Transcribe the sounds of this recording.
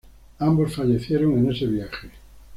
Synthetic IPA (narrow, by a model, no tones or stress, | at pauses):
ambosfaʎeθjeɾoŋeneseβjaxe